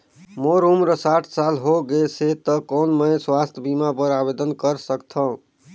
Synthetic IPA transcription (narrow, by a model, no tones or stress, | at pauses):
moɾumɾəsaʈʰsalɦoɡeset̪əkonməswast̪ʰjbimapəɾabed̪ənkəɾsəkt̪ʰə̃